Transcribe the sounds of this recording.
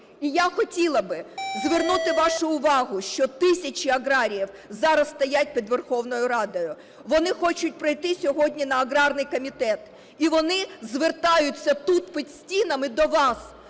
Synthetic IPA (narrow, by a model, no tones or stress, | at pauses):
ijaxɔtʲilˠɐbɪzʋernut̪ɪʋɑʃʊʊʋɑɦʊʃt͡ʃɔt̪ɪsʲɐt͡ʃiɐɣɾɑɾʲijiw | zɑɾɐsst̪ɐjat̚ʲpʲid̪ʋerxɔwnɔjʊɾɑd̪ɔjʊ | ʋɔnɪxɔt͡ʃʊtʲpɾɐjt̪ɪsʲɔɦɔdʲnʲinɐːɡɾɑrnɪjkɔmʲit̪ɛt̪ | iʋɔnɪzʋert̪ɑjʊt͡sʲːɐt̪ut̪pʲid̪sʲtʲinɐmɪd̪ɔʋɑs